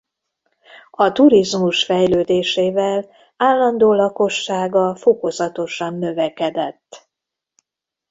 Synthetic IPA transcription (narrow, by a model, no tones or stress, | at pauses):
ɒt̪uɾizmuʃfɛjløːd̪eːʃeːvɛl | aːlːɒnd̪oːlɒko̞ʃːaːɡɒfo̞ko̞zɒt̪o̞ʃɒnːøvɛkɛd̪ɛt̪ː